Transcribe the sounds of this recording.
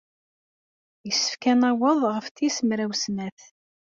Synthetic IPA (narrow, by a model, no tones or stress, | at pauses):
jəsːə̥fkænæwəðˤʁəfθisəmɾæwsnæθ